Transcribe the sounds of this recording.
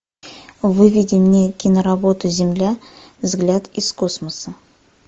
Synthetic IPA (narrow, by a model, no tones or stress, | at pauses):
vɨvʲidʲɪmnʲe̞kʲɪnəɾabo̞t̪ʊzʲɪmlʲæ | vzɡlʲat̪ɪsko̞sməsə